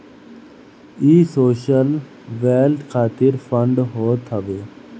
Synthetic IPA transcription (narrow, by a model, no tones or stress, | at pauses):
iːsoːʃəl | ʋeːlʈkʰaːt̪iɾfəɳɖɦoːt̪ʰəʋeː